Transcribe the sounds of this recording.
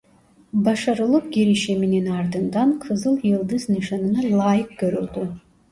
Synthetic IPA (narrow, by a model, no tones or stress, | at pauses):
baʂaɾɨlˠɨp̚ɡʲeɾiʃimininard̪ɨnd̪anqʰɨzɨlˠjɨlˠd̪ɨznɨʂanɨnalˠaːjɨq̚ɡ̥øɾɨlt̪ʼu